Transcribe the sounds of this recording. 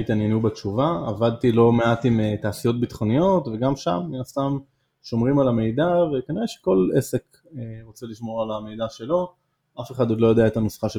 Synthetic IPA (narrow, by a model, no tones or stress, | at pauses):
it̪anjenubet͡ʃuvaavad̪̚t̪ilo̞me̞at̪imetaːsijo̞t̪̚bit̪χo̞nijo̞tve̞ɡamʃa̰mninast̪am | ʃo̞mʁimalame̞jd̪avekaniʁeʃe̥ko̞lḛsek | eʁot͡seliʃmo̞ʁalame̞jd̪aʃe̞lo̞ | afe̞χadod̪lo̞jadeaetanosχaʃe